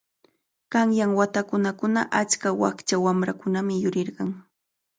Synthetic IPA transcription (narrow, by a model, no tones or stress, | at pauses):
kɑŋjaŋwat̪akʊnakʊnaʔat͡ʃkawa̰kt͡ʃawamɾakʊnamɪjʊɾɪɾɢɑŋ